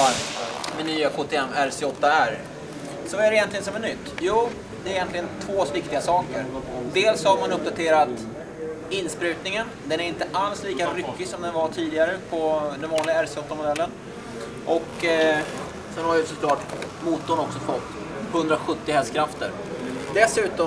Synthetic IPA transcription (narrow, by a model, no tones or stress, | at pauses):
mɛnyːakʰoːt̪ʰɛɛmːæɾsɪɔt̪ːaæɾ | sɔæɾɛjɛnt̪lɪɡənsɔmɛnːʏt̪ːjuː | d̪ɛːɾɪjɛnt̪lɪɡənt̪ʰvoːsvɪkt̪ɪɡasɑːkəɾd̪eːlshaɾmanɵp̚d̪at̪ʰeːɾat̪ | ɪnːspɾʉ̟ːt̪nɪŋənd̪ɛnæɾɪnt̪əʔalsliːkaɾʏkːɪsɔmd̪ɛnvaʈʰiːd̪ɪɡaɾəpʰɔd̪ɛnvɑːnlɪɡaæɾsɪɔt̪ːamʊd̪ɛlːən | ʔɔk | sɛnhaɾvɪsɔkʰlɑːʈ | muːt̪ːɔnɔksɔfɔt̪ː | hɵnd̪ɾaɧɵt̪ːɪhɛlskʰɾaft̪ə̰ɾ | d̪ɛsʉ̟ːt̪ɔ